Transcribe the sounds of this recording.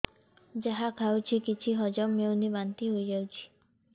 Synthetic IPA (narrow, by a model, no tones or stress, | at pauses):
d͡ʒaɦakʰawt͡ʃʰikit͡ʃʰiɦɔd͡ʒɔmːewnibant̪iɦojd͡ʒawt͡ʃʰi̥